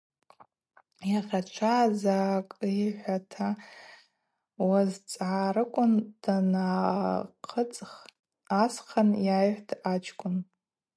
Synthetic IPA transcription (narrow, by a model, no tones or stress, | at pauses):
jaχʲat͡ʃʷʰaːzakʼijħʷatʰa | wazt͡sʼʕaɾɨkʷʼʊnd̥anaqʰət͡sʼ | asχʰanjajħʷdat͡ʃʰkʷʼʊn